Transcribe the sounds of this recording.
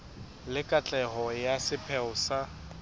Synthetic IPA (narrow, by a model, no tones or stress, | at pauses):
lɪkʼat͡ɬʼɛɦɔjasɪpʰɛʊsa